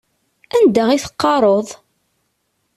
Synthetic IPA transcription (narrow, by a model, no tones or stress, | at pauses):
ænd̪æʁiθə̥qːɑɾˤoðˤ